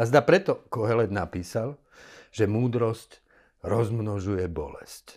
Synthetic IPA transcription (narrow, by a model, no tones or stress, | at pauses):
azd̪apɾɛt̪ɔkɔɦɛlɛd̪napiːsal | ʒ̥ɛmuːd̪ɾɔsc | ɾɔzmnɔʒujɛbɔ̰lɛsc